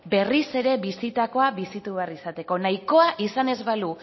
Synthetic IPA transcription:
be̞rise̞ɾe̞βisit̪ako̞aβisit̪uβe̞arisat̪e̞ko̞najko̞aʔisane̞zβalu

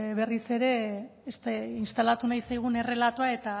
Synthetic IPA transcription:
βe̞rise̞ɾe̞ːst̪ainst̪alat̪unajsajɣ̞une̞re̞lat̪oae̞t̪a

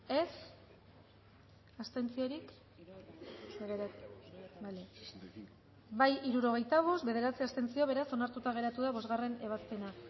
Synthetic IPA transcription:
e̞s | ast̪e̞nt͡sio̞ɾik | bale | bajiɾuɾo̞ɣ̞e̞jt̪aβ̞o̞st̪be̞ðe̞ɾat͡siast̪e̞nt͡sio̞β̞e̞ɾaso̞naɾt̪ut̪aɣ̞e̞ɾat̪uðaβo̞zɣare̞ne̞β̞aspe̞na

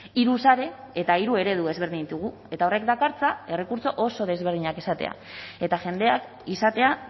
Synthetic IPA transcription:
iɾusaɾe̞ː | t̪aiɾue̞ɾe̞ðue̞zβe̞ɾðiɲit̪uɣ̞u | e̞t̪ao̞re̞kd̪akaɾt͡sae̞re̞kuɾt͡so̞ʔo̞so̞ð̞e̞zβe̞ɾð̞iɲake̞sat̪e̞̰a̰ | e̞t̪aʝe̞nd̪e̞ak | isat̪e̞a

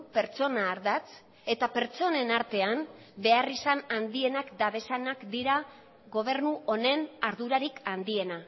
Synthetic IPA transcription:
pe̞ɾt͡so̞naːɾðat͡s | e̞t̪ape̞ɾt͡so̞ne̞naɾt̪e̞am | be̞arisanand̪ie̞nakd̪aβe̞sanakd̪iɾa | ɣo̞β̞e̞ɾnuʔo̞ne̞naɾðuɾaɾikand̪ie̞na

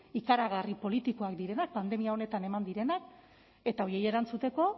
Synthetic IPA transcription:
ikaɾaɣ̞aripo̞lit̪iko̞akd̪iɾe̞nak̚pand̪e̞miao̞ne̞t̪ane̞mand̪iɾe̞nak̚ | e̞t̪ao̞ɾjieje̞ɾant͡sut̪e̞ko̞

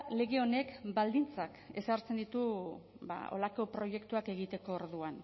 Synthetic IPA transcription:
le̞ɣe̞o̞ne̞kbald̪int͡sake̞̰saɾt͡send̪it̪u | ba̰o̞̰lako̞pɾo̞je̞kt̪uake̞ɣ̞it̪e̞ko̞ːɾðuan

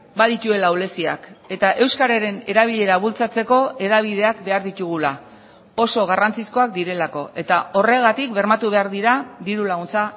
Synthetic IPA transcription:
baðit̪ue̞lawle̞sia̰ke̞t̪aʔe̞wskaɾaɾe̞ne̞ɾaβ̞iʎe̞ɾaβult͡sat͡se̞ko̞e̞ðaβ̞ið̞e̞akbe̞aɾðit̪uɣ̞ula | o̞so̞ɣ̞arant͡sisko̞ak̚d̪iɾe̞lako̞ʔe̞t̪ao̞re̞ɣat̪ikbe̞ɾmat̪uβ̞e̞aɾðiɾad̪iɾulaɣunt͡sa

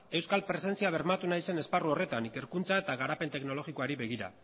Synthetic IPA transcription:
e̞wskalpɾe̞se̞nt͡siaβ̞e̞ɾmat̪unajse̞ne̞sparuo̞re̞t̪anike̞ɾkunt͡sae̞t̪aɣ̞aɾape̞nt̪e̞kno̞lo̞ɣiko̞aɾiβe̞ɣiɾa̰

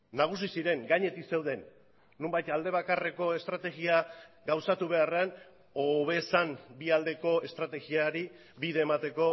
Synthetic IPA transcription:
naɣ̞usisiɾe̞ŋɡaɲe̞t̪ikse̞wð̞e̞nː | umbajt̪ald̪e̞β̞akare̞ko̞e̞st̪ɾat̪e̞ɣia | ɡawsat̪uβ̞e̞arean | oβe̞sambiald̪e̞ko̞e̞st̪ɾat̪e̞ɣiaɾi | biðeːmat̪e̞ko̞

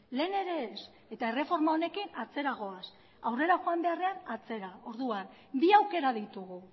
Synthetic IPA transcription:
le̞ːne̞ɾe̞s | e̞t̪ae̞re̞fo̞ɾmao̞ne̞kinat͡se̞ɾaɣ̞o̞as | awre̞ɾaʝo̞ambe̞are̞anat͡se̞ɾao̞ɾðuan | biawke̞ɾaðit̪uɣu

